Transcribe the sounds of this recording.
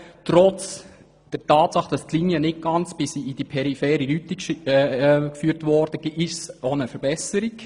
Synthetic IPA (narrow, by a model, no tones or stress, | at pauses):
tɾɔt͡s | d̥əɾtʰɑːtsɑχd̥ɑstliːniənɪt̚ɡ̥ɑnt͡sb̥ɪsiid̥ipʰɛɾifɛːɾilytːi | kfyːɾtvɔɾd̥əɡ̥iʔɪsonəfəɾbɛsəɾik